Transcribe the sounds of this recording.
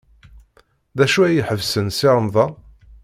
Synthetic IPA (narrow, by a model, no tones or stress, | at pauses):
ðæʃuæjəħəvsənsɪɾˤəmðˤɑ